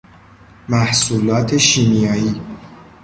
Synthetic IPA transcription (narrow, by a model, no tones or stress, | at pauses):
mæhsuːlɒːt̪ʰe̞ʃiːnijɒːjiː